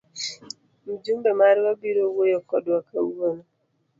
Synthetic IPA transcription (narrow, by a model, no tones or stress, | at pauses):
m̩d͡ʒumbɛmaɾwabiɾowojɔkɔdwakauonɔ